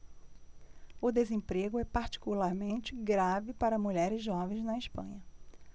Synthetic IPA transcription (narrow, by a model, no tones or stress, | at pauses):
ʊd̪ezẽpɾeɡʊɛpaɾt͡ʃi̥kulaɾmẽnt͡ʃɪɡɾavɪpaɾɐmuʎɛɾɪzʒɔvẽj̃znɐɪʃpɐ̰̃ɲɐ